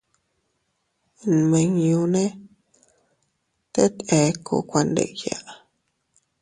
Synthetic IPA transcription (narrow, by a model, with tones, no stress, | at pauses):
n˨mẽ˧ɲjũ˧nẽ˦ | t̪e˦t̪e˧ko̰˧˨kʷa˧nd̪ḛ˧˨ja̰˨ʔ